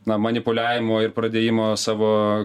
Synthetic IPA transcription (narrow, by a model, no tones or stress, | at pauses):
nɐmɐnʲɪpʊlʲæːʋʲɪmoːɪrpɾɐd̪ʲeːjɪmoːsɑːʋoː